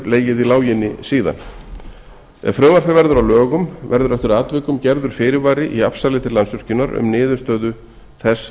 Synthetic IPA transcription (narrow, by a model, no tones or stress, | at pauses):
ɾleːjjɪðilaːwjɪnːɪsiːða̰n | ɛ̰ɣfɾœːmaɾ̥fɪvɛɾðʏɾawlœːɣʏmvɛɾðʏɾɛft̪ʏɾaːt̪vɪːkʏmcɛɾðʏɾ̥fɪːɾɪvaːɾɪʔiafsalɪt̪ʰɪɾlansvʏr̥cʏnaɾʏ̰mnɪːðʏst̪œːðʏ | θɛs